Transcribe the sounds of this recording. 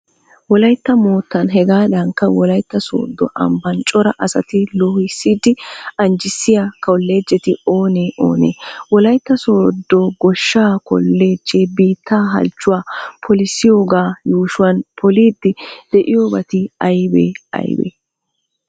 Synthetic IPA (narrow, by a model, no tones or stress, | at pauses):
wɔlɐjt̪ːɐmo̞ːt̪ːɐnɦɛɡaːd̪ɐŋkːɐwɔlɐjt̪ːɐso̰ːd̪ːɔ̰ʔɐ̰mbɐnt͡ʃʼɔɾɐʔɐsɐt̪ɪlɔhɪsːiːd̪ɪɐnd͡ʒɪsːɪjakɐwlːe̞ːd͡ʒːɛt̪ɪo̞ːneːʔo̞̰ːnḛːwɔlɐjt̪ːɐsoːd̪ːɔɡɔʃːaːkɔ̰lːeːd͡ʒːeːbiːt̪ːaːɦɐ̰lt͡ʃːʊwaːpʰɔlɪsːɪjo̞ːɡaːjuːʃʊwɐnpʰɔliːd̪ːɪd̪̥ɛʔɪjoːbɐt̪ɪɐjbḛːɐ̰jbḛː